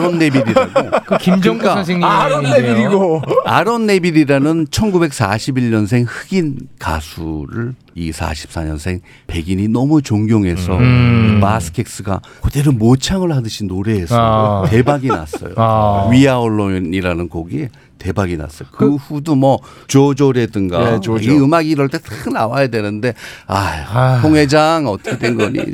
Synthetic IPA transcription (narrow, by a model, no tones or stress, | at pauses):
ɾʌnːe̞biɾiɾaɡokɯkimd͡ʑʌŋas̬ʰeɲoneɾiɡoaɾʌnːe̞biɾiɾanɯnt͡ɕʰʌnɡube̞k̚s͈aɕʰibiɭɲʌnsʰe̞ŋhɯɡinka̰sʰuɾɯɭ | isʰa̰ɕʰi̥p̚s͈aɲʌnsʰe̞ŋ | pe̞ɡiɲinʌmut͡ɕoŋɡjoŋɦe̞sʰʌ̰imasʰɯ̥kʰe̞k̚s͈ɯɡa | kudeɾɯmot͡ɕʰaŋɯɭɦadɯɕʰinoɾe̞ɦesʌte̞baɡina̰s͈ʌ̰jo̰ɥiaoɭːoniɾanɯnkʌɡie | te̞baɡina̰s͈ʌjokɯɸudumʌ | t͡ɕod͡ʑoɾe̞dɯŋɡaiɯmaɡiɾʌɭt͈e̞t͈ʰɯkʰɯnawajadwe̞nɯnde̞ajtʰoŋɦe̞d͡ʑaŋʌt͈ʌ̥kʰet͈wenɡʌɲḭ